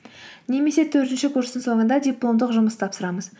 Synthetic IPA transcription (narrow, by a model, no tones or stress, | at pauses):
ne̞me̞se̞t̪ʰɵɾt̪ɪnʃɪkʲʰɵɾsɪŋso̞ɴənd̪ɑd̪ʲijplˠo̞md̪əqʒʊməst̪ʰɑpsəɾɑməz̥